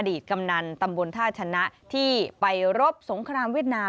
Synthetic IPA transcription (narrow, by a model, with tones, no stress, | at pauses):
a˧diː˨˩t̪̚ka˧mna˧nt̪a˧mbo˧nt̪ʰaː˥˩t̚t͡ɕʰa˧na˦˥ʔt̪ʰiː˥˩pa˧jɾo˦˥p̚so˩˦ŋkʰɾaː˧mwi˥˩ət̪̚naː˧